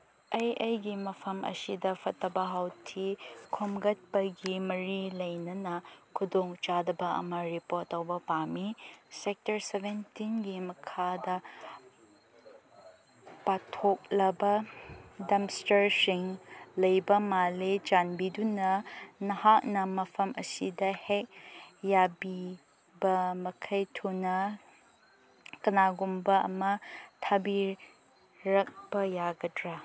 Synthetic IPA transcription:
ɐjʔɐjɡimɐpʰɐmʔɐ̰sidɐpʰɐtːɐbɐɦawtʰikʰomɡɐt̚pɐɡimɐɾilɐjnɐnɐkʰudoŋt͡ʃadɐbɐɐ̰mɐɾipotːɐwbɐpamisek̚tɐɾsebentinɡimɐkʰadɐ | patʰok̚lɐbɐdɐmstɐɾsiŋlɐjbɐmalet͡ʃanbidunɐnɐhak̚nɐmɐpʰɐmʔɐsidɐhek̚jabi | bɐmɐkʰɐjtʰonɐ | kɐnaɡumbɐɐ̰mɐtʰɐbiɾ | ɾɐk̚b̥ɐjaɡɐdɾa

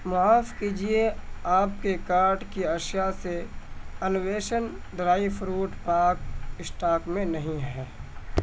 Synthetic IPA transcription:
mʊaːfkiːd͡ʒieaːp̚kekaːɾʈkiɐʃjaseɐnʊweːʃən | ɖɾaːifʰɾuːʈpaːkɪsʈaːkmẽnɐɦĩɦɛː

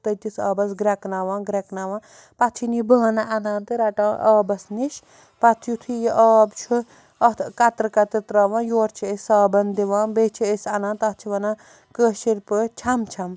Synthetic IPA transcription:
t̪ɐt̪isaːbɐs̬ɡɾɛknaːʋãːnɡɾɛknaːʋãː | pɐt̪ʰinibɨɐnaʔɐnãːnt̪ɨɾɐʈaːʔaːbɐsniʃ | pɐt̪ʰjut̪ʰijiʔaːbt͡ʃʰu | ɐkɐt̪ɾɨkɐt̪it̪ɾaːʋãːnjoːɾt͡ʃʰiesaːbɐnd̪iʋaːnbet͡ʃʰiəsʲɐnãːnt̪ɐt͡ʃʰiʋɐna | kəːʃiɾpɨt͡ʃʰɐmt͡ʃʰɐm

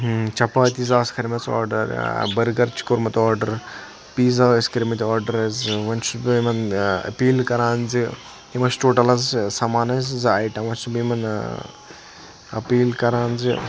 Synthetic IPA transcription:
t͡ʃɐpaːt̪izaːskʰɐɾmɐt͡sɔ̰ːɾɖɐ̰ɾbɐɾɡɐɾt͡ʃʰi̥koɾmɐt̪ɔːɾɖɐɾ | piːzaːskɐɾimɐt̪ʲiaːɾɖɐɾɐzʋɐnt͡ʃubmɐnɐ̰piːlkɐɾãːnzi | imɐsʈoːʈɐlɐzsɐmaːnɐzzajʈɐmʋɐnt͡ʃubimɐn | ɐ̰piːlkɐɾaːnzi

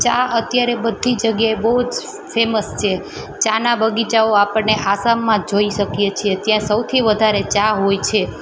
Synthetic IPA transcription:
t͡ʃaət̪jaɾebəd̪ʱid͡ʒəɡjaebəɦud͡ʒ | feməst͡ʃʰe | t͡ʃanabəɡit͡ʃaoapəɽneʔasamːãd͡ʒoiʃəkjet͡ʃʰiet̪jãsəwt̪ʰiʋəd̪ʱaɾet͡ʃaɦojt͡ʃʰe

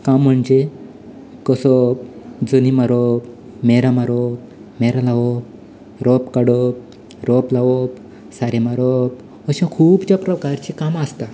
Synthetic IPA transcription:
kamːəɳd͡ʑe | kəsɔ | d͡zənimaɾop | meɾamaɾop | meɾalaʋo | ɾɔpkaɽop̚ | ɾɔplaʋop | saɾemaɾop̚ | əɕãkʰuːbt͡ɕjapɾəkaɾt͡ɕikamast̪a

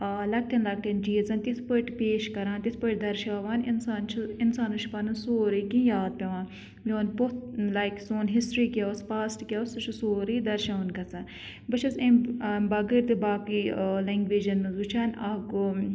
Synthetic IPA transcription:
alɐk̚ʈʰɐnlɐk̚ʈʰɐnd͡ʒiːzɐnt̪isʰpəʈpeːʃkɐɾaːnt̪ispəʈ̚d̪ɐɾʃaːʋaːninsaːnt͡ʃʰiɪnsaːnut͡ʃʰipɐnɨsoːɾikĩjaːd̪̚pʲɐʋaːn | joːnpot̪lajksoːnɦisʈɾiːkʲaspaːsʈkʲasut͡ʃʰusoːɾiːd̪ɐɾʃaːʋɐnkɐt͡saːn | bɨt͡ʃʰɐsẽmbɐɡəɾt̪ɨbaːkilɐŋɡʋeːd͡ʒɐnmɐzɡut͡ʃʰaːnaɡo

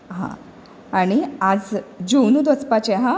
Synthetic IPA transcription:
ɦã̰ | aɽ̃iad͡zd͡ʑuwnud̪ʋət͡spat͡ɕeɦã

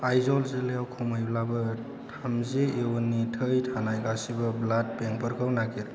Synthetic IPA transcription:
ajzɔlzelejawkʰumajblabɐ | tʰamzeewnːitʰəjtʰanajɡasibɐblad̚peŋpəɾkʰawnaɡiɾ

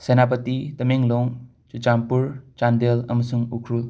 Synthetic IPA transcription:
senapət̪it̪ɐmeŋloŋ | t͡ʃut͡ʃampuɾt͡ʃand̪elɐmɐsuŋukʰɾul

